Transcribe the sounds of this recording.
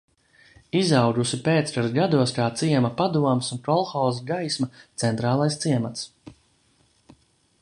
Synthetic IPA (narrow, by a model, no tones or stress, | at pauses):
izawɡusipeːt̪spaɾɡad̪uɔskaːt̪siɛmɐpad̪uɔmsunkɔlˠxawzaɡajsmɐt̪sɛnt̪ɾaːlˠajst̪siɛmat̪s